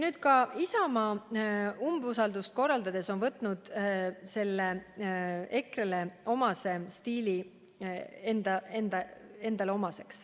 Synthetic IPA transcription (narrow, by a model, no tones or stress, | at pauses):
nyːd̪̥̚kɑisɑmɑ | umbusɑld̪ust̪̚ko̞rːɑld̪ɑd̪̥e̞so̞nvɤt̪ːˑnud̪̥se̞lːe | e̞krele̞o̞mɑse̞st̪iːli | end̪ɑe̞nd̪ɑe̞nd̪ɑleo̞mɑse̞ks